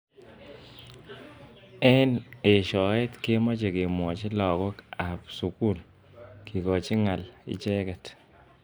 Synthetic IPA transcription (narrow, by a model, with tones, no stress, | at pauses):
ɛ˦ne˨ʃɔ˨e˦tke˦mɔ˦t͡ʃe˨ke˨mwɔ˨t͡ʃɪ˦lɔ˨kɔ˦ka˨psu˨ku˦l | ki˨kɔ˨t͡ʃi˦ŋa˨lɪ̰˦t͡ʃɛ˦kɛ˨t